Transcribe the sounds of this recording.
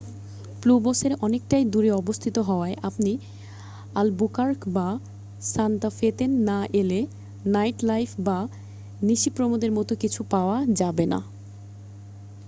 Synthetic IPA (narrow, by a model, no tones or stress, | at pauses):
pluboseɾɔnek̚ʈajd̪uɾeɔbost̪ʰit̪oɦɔoaeʔapni | albukaɾkba | sant̪afet̪enːaʔele | najʈlajfʰba | niʃipɾomod̪eɾmɔt̪okit͡ɕʰupaoad͡ʑabena̰